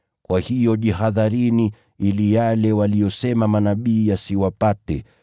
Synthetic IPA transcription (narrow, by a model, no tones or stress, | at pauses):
kwahijɔʄiɦaðaɾini | ilijalɛwalijɔsɛmamanaɓiːjasiwapatɛ